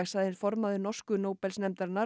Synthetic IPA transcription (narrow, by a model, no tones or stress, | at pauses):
axsaðɪnfɔɾmaðʏnɔr̥skʏnoːwpɛlsnɛmt̪aɾna